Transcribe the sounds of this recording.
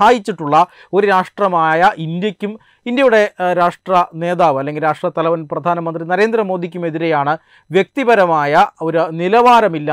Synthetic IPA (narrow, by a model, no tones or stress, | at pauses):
aːjit͡ɕːiʈːuɭːɐ | o̞ɾuɾaːʂʈrɐmaːjɐʔind̪jɐkʲːum | ind̪jɐjuɽe̞ɾaːʂʈrɐne̞ːðaːʋɐlːe̞ŋɡilɾaːʂʈrɐt̪ːɐlɐʋɐnprɐd̪ʱaːnɐmɐnd̪rinɐɾe̞ːnd̪rɐmo̞ːd̪ʱikʲːume̞ðiɾe̞jaːɳɨ | ʋjek̚t̪ibɐɾɐmaːjɐo̞ɾnilɐʋaːɾɐmilːɐ